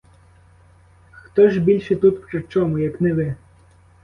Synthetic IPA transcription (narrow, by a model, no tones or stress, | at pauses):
xt̪ɔʒbʲilʲʃɛt̪ut̪pɾɪt͡ʃɔmʊjɐknɛʋɪ